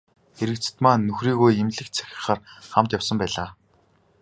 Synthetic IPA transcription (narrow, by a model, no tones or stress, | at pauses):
eɾɘ̆kt͡sɘ̥̆t̪maːnːɵxriːɣojemɮɘ̆kt͡sʰæ̥xʲɪ̥̆χaːrχamt̪jawsə̆mpæːɮaː